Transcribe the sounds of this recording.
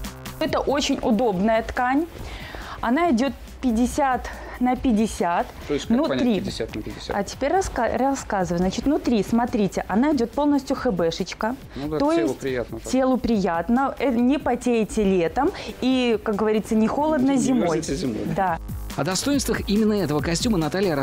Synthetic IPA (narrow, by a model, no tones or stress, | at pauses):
ɛt̪əʔo̞t͡ɕɪnʲʊd̪o̞bnəjət̪kanʲ | ɐnaɪdʲo̞t̪̚ | pʲɪdʲɪsʲat̪ | nəpʲɪdʲɪsʲat̪nʊɾʲiat̪ʲɪɐtʲɪ̥pʲeɾʲɐrɐskazɨvətʲznat͡ɕɪt̪nʊt̪ɾʲismɐt̪ɾʲitʲɪʔɐnaɪdʲo̞t̪̚po̞lˠnəsʲtʲjʊxɨbɛʂɨt͡ɕkə | d̪o̞jɪsʲtʲɪjat̪tʲelˠʊpɾʲɪjat̪nəɛnʲɪpɐtʲeɪtʲɪlʲet̪əmikak̚ɡəvɐɾʲit̪sənʲɪxo̞lˠəd̪nəzʲɪmo̞jʲɪ̰d̪aɐd̪ɐst̪o̞jɪnst̪vəximʲɪnːəɛt̪əvəkɐsʲtʲumənɐt̪alʲɪjəɾɐ